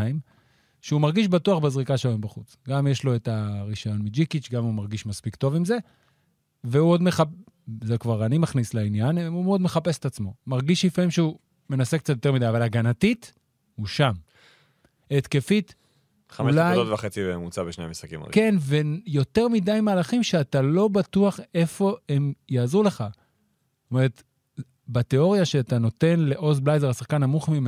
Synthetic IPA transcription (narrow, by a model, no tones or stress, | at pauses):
im | ʃeumaʁɡiʃbatuaχbezʁikaʃeloimbaχut͡sɡamjeʃlo̞etaʁiʃajo̞nmid͡ʒikit͡ʃɡamumaʁɡiʃmaspikt̪o̞vimze̞ | veuo̞d̪meχa | zekvaʁanimaχnisleinjanmumeod̪meχapeset̪at͡smo̞maʁɡiʃifaimʃeu | me̞nasek̚t͡sat̪jot̪e̞midajavalaɡanatit̪ | uʃam | et̪ke̞fit̪ | χamuelajotvaχet͡sibemut͡sabeʃneamisχakḭm̰ke̞nvejo̞te̞ʁmidajmaːlaχimʃeatalo̞bat̪uaχe̞fo̞e̞mjaːzule̞χa | ome̞ʁet̪ | bat̪e̞o̞ʁjaʃeat̪ano̞t̪e̞nle̞ʔo̞zblajzeʁasaχkanamuχmim